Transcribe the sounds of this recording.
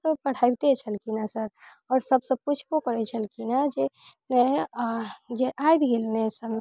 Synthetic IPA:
əpəɽ̤ajbt̪et͡ʃʰəlkinasəɾ | ɔːɾsəbsə̃b̚put͡ʃʰpokəɾɛt͡ʃʰəlkinad͡ʒenɛ | d͡ʒeʔajbɡelnesəm

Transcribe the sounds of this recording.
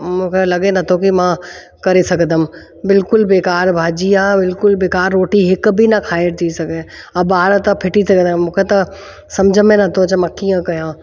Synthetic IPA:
mũːkʰelɐɡenɐt̪ʰokimã | kɐɾesɐɡʱd̪əm̆ | bɪlkʊlbeːkaːɾbʱaːd͡ʑiabɪlkʊlbeːkaːɾːoːʈiɦɪkbʱinɐkʰaːɪɾt̪ʰisɐɡʱe | ɐbaːɾt̪ɐpʰɪʈisɐɡd̪mũːkʰet̪ɐ | sɐmd͡ʑʱəmẽnɐt̪ʰot͡ʃɐmãkiːə̃kɐjãː

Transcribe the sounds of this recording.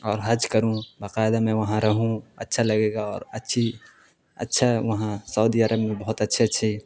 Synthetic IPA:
ɔːɾɦɐd͡ʒkəɾũbaqaːɪd̪amɛ̃ʋɐɦãɾɐɦũɐ̰tːʃʰalɐɡeːɡaɔːɾɐtːʃʰi | ɐ̰tːʃʰaʋɐɦãsəːd̪iɐɾʔəbmẽbɐɦʊt̪ɐtːʃʰeɐtːʃʰi

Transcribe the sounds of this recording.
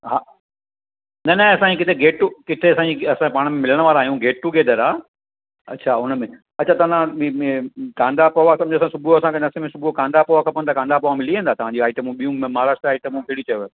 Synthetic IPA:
ɦaː | nɐnɐɐsãikɪt̪ʰeɡeːʈʈukɪt̪ʰeɐsãd͡ʑiɐsãpaːɽ̃əmẽmɪləɽ̃ʋaːɾaːɦijũɡeːʈʈuɡeːd̪əɾaː | ɐ̰tːt͡ɕʰaʊnmẽ | ɐt͡ɕʰat̪ɐãikãːnd̪apɐʋasɐmd͡ʑoɐs̬ãsʊbʱɾoɐsãkʰenɐsemẽsʊbʱɾokãːnd̪apoʋakʰɐpːə̃nd̪akãːnd̪apɐʋamɪliẽnd̪aːt̪ɐʋ̤ãɲd͡ʑiaːɪʈəmũɓijũmmaːɾaːʃʈɾaːɪʈəmũkeːɽit͡ɕɐjoɦ

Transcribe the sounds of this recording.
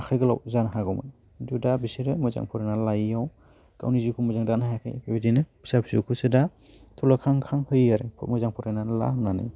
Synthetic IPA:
akʰajɡɯla̰wzanɦaɡɔmɯ̰n | dudabisiɾɯmɯjza̰ŋpʰɔɾanalajaw | ka̰wnizikʰumɔzaŋdanahjakʰa̰jbebidinɯbi̥sapʰsukʰusɯda | tʰulakʰaŋkʰaŋhɯjaɾepʰmɯjzaŋpʰɔɾajnala̰nanɯ̰j

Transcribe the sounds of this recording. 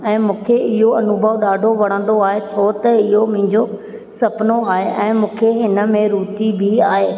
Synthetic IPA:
ɛ̃ːmũːkʰeɪɦoɐnubʱəʋɗaːɖʱoʋɐɽ̃ə̃nd̪oaːɦet͡ɕʰot̪ɐɪɦomʊ̃ɪ̃ɲd͡ʑo | sɐpnoaːɦeʔɛ̃ːmũːkʰeɦɪnə̆mẽɾuːt̪ibʱiaːɦeː

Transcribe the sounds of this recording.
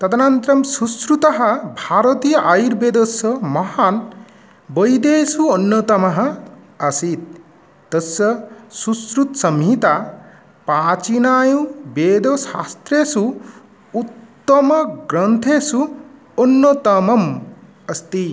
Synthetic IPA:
t̪ɐt̪ʰɐnant̪ɾɐmsusɾut̪ɐɦʌbʱaːɾɐt̪ijʔajuɾbeːd̪osʌmɐhan | bʌjd̪esuonːot̪ɐmɐɦʌ | ɐsit̪̚ː | ɐsːʌsusɾut̪sɐmɦit̪a | pat͡ʃinaːjũbeːd̪osast̪ɾesu | ut̪ːɐmʌɡɾɐnt̪ʰesu | onːot̪ɐmɐm | ɐst̪i

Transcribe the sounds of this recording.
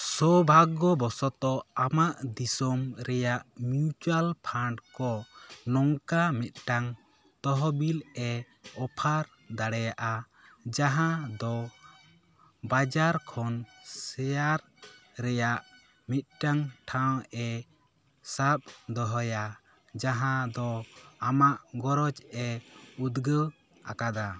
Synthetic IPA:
sɔbʱaɡɔbɔsɔt̪ɔamaʔd̪isɔmɾɛjaʔmiut͡ʃalpʰaɳɖkɔnɔŋkamɛt̪̚ˀʈaŋ | t̪ɔɦɔbilɛ | ɔpʰaɾ | d̪aɽɛjaʔa | d͡ʒaɦãd̪ɔ | bad͡ʒaɾkʰɔnsɛjaɾ | ɾɛjaʔ | mit̪̚ʈaŋʈʰawɛ | sap̚d̪ɔɦɔja | d͡ʒaɦãd̪ɔamaʔɡɔɾɔt͡ʃɛud̪ɡəw | a̰kad̪a

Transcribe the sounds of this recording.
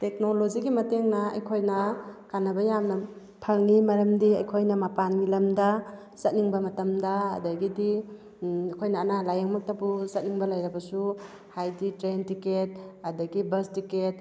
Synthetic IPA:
tek̚noloziɡimɐteŋnɐɐ̰jkʰojnɐkanɐbɐjamnɐ | pʰɐŋimɐɾɐmdiɐjkʰojnɐmapanɡilɐmdɐ | sɐt̚niŋbɐmɐtɐmdɐɐ̰dɐɡidi | kʰojnɐːnalajeŋmɐk̚tɐbusɐt̚niŋbɐlɐjɾɐbɐsu | hajditɾentiket̚adɐɡibɐstiket̚

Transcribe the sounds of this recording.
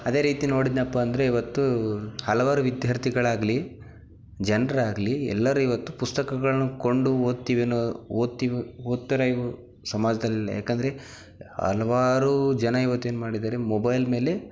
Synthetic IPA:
ɐd̪e̞ːɾiːt̪ino̞ːɽid̪nɐpːɐːnd̪ɐɾeiʋɐt̪ːuhɐlɐʋaːɾuʋid̪jaːɾt̪ʰiɡɐɭaːɡli | d͡ʒɐnɐɾaːɡɐliɛ̰lːɐɾuiʋɐt̪ːupust̪ɐkɐɡɐɭɐnːuko̞ɳɖuoːd̪̚t̪iːʋenːooːd̪̚t̪iʋioːd̪̚t̪ːɐɾɐiʋu | sɐmaːd͡ʒɐd̪ɐlːilːɐ̰ja̰ːknd̪ɐɾe̞ | ɐ̰lɐʋaːɾud͡ʒɐnɐiʋɐt̪ːueːnumaːɽid̪aːɾe̞mobɐjlme̞ːle̞

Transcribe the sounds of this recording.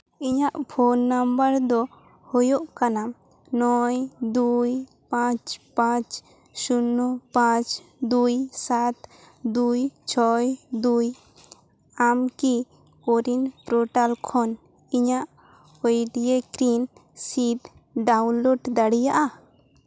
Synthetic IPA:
iɲaʔpʰonːambəɾd̪ɔ | hɔjoʔkana | nɔjd̪uj | pãt͡ʃpãt͡ʃ | sunːupãt͡ʃ | d̪ujsat̪ | d̪ujt͡ʃʰɔjd̪uj | amki | koɾinpɾɔʈalkʰɔn | iɲaʔ | ojɖijekɾinsit̪ | ɖawnloɖd̪aɽijaʔa

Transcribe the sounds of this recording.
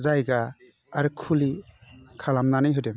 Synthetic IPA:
zajɡaː | ɾɯkʰulikʰalamnanɯjɦɯjdem

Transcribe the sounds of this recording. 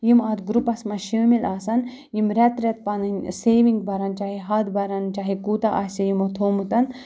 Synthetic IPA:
jimaːd̪ɡɾupɐsmɐʃimilaːsɐn | jimɾɛt̪ɾʲɛt̪̚pɐnɨnʲseːʋiŋɡbɐɾɐnt͡ʃaːɦiɦɐd̪bɐɾɐnt͡ʃaːɦikuːt̪aʔasʲɐjimot̪ʰoːmut̪ɐn

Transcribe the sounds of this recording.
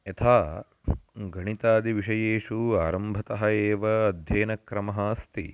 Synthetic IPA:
ɐt̪ʰaː | ɡɐɳit̪aːd̪iʋiʂɐjeːʂuaːɾɐmbʱɐt̪ɐɦɐeːʋɐːd̪ʱjeːnɐkɾɐmɐɦɐst̪ḭ

